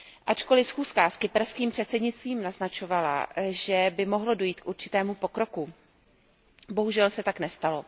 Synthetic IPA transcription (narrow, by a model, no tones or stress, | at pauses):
ʔat͡ʃko̞lɪfsxuːskaskɪpɛɾskiːmpr̝̥ɛt̪sɛdɲɪtt͡st̪viːmnaznat͡ʃo̞vala̰ʒɛbɪmo̞ɦlodo̞jiːt̪kʔuɾt͡ʃɪ̥t̪ɛːmupo̞kɾo̞ku | bo̞ɦuʒɛlsɛt̪aknɛst̪alo̞